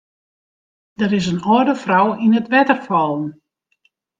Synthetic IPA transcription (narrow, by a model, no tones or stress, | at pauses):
d̥əɾɪs̬ənɔədəfrawinətʋɛtərfɔlˠən